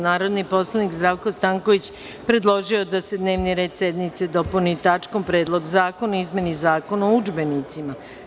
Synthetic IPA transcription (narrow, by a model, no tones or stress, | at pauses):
naːɾo̞d̪nipo̞slˠanikzd̪ɾaʋko̞st̪aːŋko̞ʋit͡ɕ | pɾe̞d̪lˠo̞ʒio̞d̪ase̞d̪ne̞ːʋniɾe̞ːd̪sje̞d̪nit̪se̞d̪o̞punit̪at͡ʃko̞mpɾeːd̪lˠo̞ɡzaːko̞naizme̞nizaːko̞naoud͡ʒbe̞nit̪sima